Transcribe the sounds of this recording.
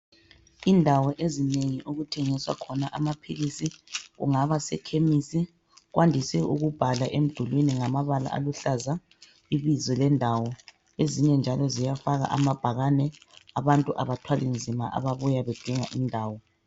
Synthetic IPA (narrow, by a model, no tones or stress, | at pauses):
indʱawɔʔezineŋiʔuɣutʰɛŋiswa̰kʰɔnaʔamapʰilisiɣṵŋaβasɛ̰kʰemisi | ɣwʔandʱisɛʔuɣub̥ʱalaʔem̩d̥ʱulwiniŋamaβala̰ʔa̰luɬaza | iβizɔlɛndʱawɔ | eziɲɛnd͡ʒʱalɔzijafaɣa̰ʔamab̥ʱaɣanɛaβantʼuʔaβatʰwalind͡zʱimaʔa̰βaβujaβɛd̥ʱiŋa̰ʔindʱaːwɔ